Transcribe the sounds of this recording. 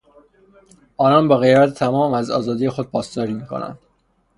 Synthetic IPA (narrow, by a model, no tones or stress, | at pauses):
ʔɒːnɒːnbɒɣe̞jbæt̪ʰet̪ʰæmɒːmæzɒ̰ːzɒːd̪ije̞xod̪̚pʰɒːsd̪ɒːɾiːmiːkʰo̰næ̰nd̪̥